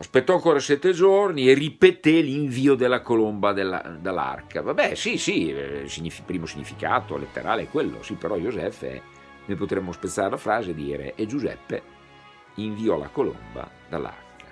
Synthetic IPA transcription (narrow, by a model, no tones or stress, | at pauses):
aspet̪ːɔaŋkoːɾasɛt̪ːed͡ʒornieripet̪eliɱviːod̪elːakolombad̪elːa̰d̪alːa̰rkavabɛsisisiɲːifipɾiːmosiɲːifika̰ːt̪olḛt̪ːḛɾaːleɛkːwelːo̰sipeɾɔjozɛfḛɛ̰ | nojpot̪ɾemːospet̪sːaːɾelafɾaːzed̪iːɾḛʔed͡ʒuzɛ̰pːḛ | iɱviɔla̰kolo̰mba̰ | d̪a̰lːa̰rkʰḁ